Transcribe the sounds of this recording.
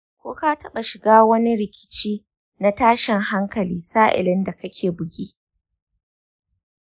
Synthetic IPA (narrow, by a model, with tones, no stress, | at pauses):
kʷo̰ː˦ka˦tɐ˦ɓa˨ʃɪ˨ɡaː˦wɐ˦ni˦ɾɪ˨kʲɪ̥˦˨t͡ʃiː˦ | na˦taː˦ʃɪ˨ŋɦa˦ŋkɐ˨liː˦saː˦ʔɪ̰˨lɪ˦nda˨kɐ˦kʲʰeː˨bʊ˨ɡʲiː˦